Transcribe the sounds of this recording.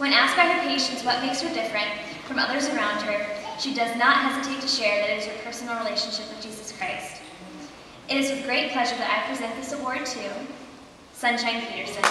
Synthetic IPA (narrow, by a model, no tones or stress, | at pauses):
wə̃næsk̚b̥aɪə˞pʰeɪʃɨ̃ntswʌt̚meɪkshə˞dɪfɹɨ̃nt | fɹʌ̃mʌðə˞zə˞ãʊ̃nd̚ə˞ʃidʌznət̚ɦɛzɨtʰeɪtʰɨʃɛɹðɨɾɨɾɨz̥ə˞pʰɜ˞sn̩l̩ˠɹileɪʃn̩ʃɪpwɨðd͡ʒizɨskʰɹ̥aɪst | ʔɨɾɨzwɨðɡɹeɪt̚pʰl̥ɛʒə˞ðɨɾa̰ɪpʰɹ̥izɛ̃nðɪsəɔɹtʰʉ | sʌ̃nʃãɪ̃npʰiɾə˞sɨ̃n